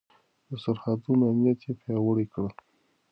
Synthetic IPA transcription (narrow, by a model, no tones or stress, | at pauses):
d̪əsaɾhad̪umanijat̪jepjɑwəɽekɽəl